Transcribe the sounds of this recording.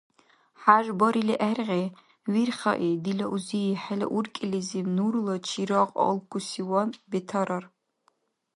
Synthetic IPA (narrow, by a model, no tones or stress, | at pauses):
ħaʒbɔɾiliʔærʁe | wirχɐ̰ʔid̪ilɐʔuzijiħɛlɐ̰ʔurkʲʼilizimnuɾlɐt͡ʃʰiɾaqʼɔ̰lˠkʷʰusiwɔnbɛtʰɐɾɐr